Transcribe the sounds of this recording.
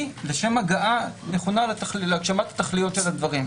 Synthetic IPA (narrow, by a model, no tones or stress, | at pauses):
leʃe̞maɡaʔane̞χo̞nalet̪aχlleaɡʃamat̪ḁt̪aχlijo̞t̪ʃelad̪vaʁim